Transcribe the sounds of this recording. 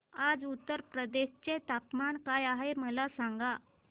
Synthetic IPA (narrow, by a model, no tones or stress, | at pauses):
ad͡zut̪ːəɾpɾəd̪eɕt͡set̪apmankajaɦeməlasaŋɡa